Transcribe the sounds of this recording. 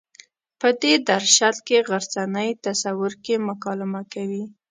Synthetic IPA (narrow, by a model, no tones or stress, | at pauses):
pəd̪ed̪aɾʃat̪keɣaɾzanəjt̪asawʊɾkemʊkɑlɪmakawi